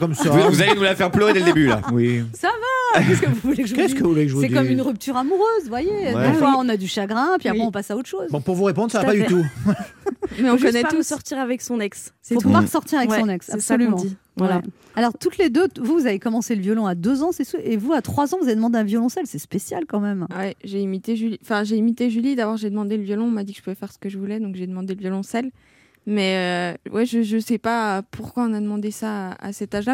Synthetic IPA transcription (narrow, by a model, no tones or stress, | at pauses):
kɔmsavuzalenulafɛʁpløʁed̪eld̪ebyla̰wisavakɛskəvuvulekʒkɛsskəvuvulekʒəvusɛikɔmynʁyp̚t̪yʁamuʁøːzvwajeɛ̃waɔ̃nad̪yʃaɡʁɛ̃pɥiapχɛ̃ɔ̃pasaot̪χʃozbɔ̃puʁvuʁepɔ̃d̪ʁsavapad̪yt̪u | mɛɔ̃kɔnɛt̪usɔʁt̪iʁavɛksɔ̃nɛkspaʁsɔʁt̪iʁavɛksɔ̃nɛksapsɔlymɑ̃d̪i | wwɛ | alɔʁt̪ut̪led̪øvuvuzavekɔmɑ̃seləvjɔlɔ̃ad̪øzɑ̃sɛsuʔevuat̪χwazɑ̃vuzaved̪əmɑ̃d̪eɛ̃vjɔlɔ̃sɛlsɛspesjalkɑ̃mɛmwɛʒeimit̪eʒyliɑ̃fɛ̃ʒeimit̪eʒylid̪abɔʁʒed̪əmɑ̃d̪eləvjɔlɔ̃ɔ̃mad̪ikʒəpuvɛfɛʁsə̥kəʒəvulɛd̪ɔ̃kʒed̪əmɑ̃d̪eləvjɔlɔ̃sɛl | mɛøwʔɛʒəʒəsɛpaəpʰuʁkwaɔ̃nad̪əmɑ̃d̪esaa̰sɛt̪aʒla